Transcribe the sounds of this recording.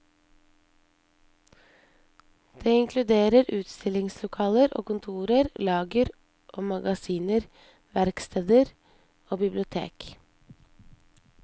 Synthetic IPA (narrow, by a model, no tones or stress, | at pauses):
d̪̥eːɪŋkʰlʉd̪eːɾəɾʉːt̪st̪ɪlɪŋslʊkʰɑːləɾʔo̰ːkʊnt̪ʰuːɾəɾlɑːɡəɾ | ʔoːmɑɡɑsiːnəɾ | ʋæɾkst̪ʰeːd̪əɾ | oːbɪblɪʊt̪ʰḛːk